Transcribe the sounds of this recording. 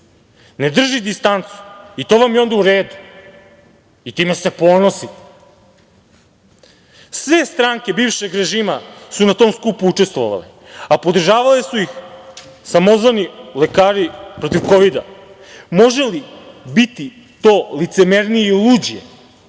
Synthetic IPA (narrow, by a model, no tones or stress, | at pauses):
ned̪r̩ʒid̪ist̪ant̪su̥it̪o̞ʋamjeo̞nd̪auɾeːd̪u | it̪iːmese̞po̞no̞si | sʋe̞st̪ɾaːŋke̞biːvʃeɡɾe̞ʒiːmasunat̪o̞ːmskupuut͡ʃe̞st̪ʋo̰ʋa̰lḛ | apo̞d̪r̩ʒaːʋalesuix | samo̞zʋanilekaːɾipɾo̞t̪iʋko̞ʋid̪a̰ | mo̞ʒe̞libit̪i | t̪o̞ːlit̪se̞meɾnijeiluːd͡ʑie